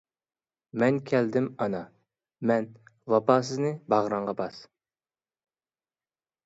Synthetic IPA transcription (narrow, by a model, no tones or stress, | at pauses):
mɛnkʲʰɛld̪ɪmɑnɑ | mɛnwɑpʰɑːs̬ɨznɨbɑʁɾɑɴʁɑbɑs